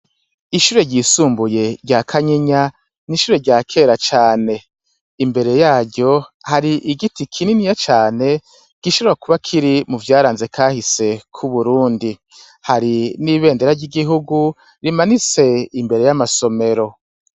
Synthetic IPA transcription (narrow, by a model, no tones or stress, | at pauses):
iʃuːɾe̞ɟisuːmbuje̞ɟakʰaɲeɲa | niʃuːɾe̞ɟaːkʰe̞ːɾat͡ʃaːne̞ | imbe̞ɾe̞jaːɾɟo̞haɾiʔiɡitikʰininijat͡ʃaːne̞ | ɡ̥iʃoβo̞ɾakuβakʰiɾimuvjaːɾaːnze̞kʰaːhise̞kʰuβuɾuːndi | haɾiniːβe̞ːndeɾaɾɟiɡiɦuɡu | ɾimanit͡se̞imbe̞ɾe̞jamaso̞me̞ɾo̞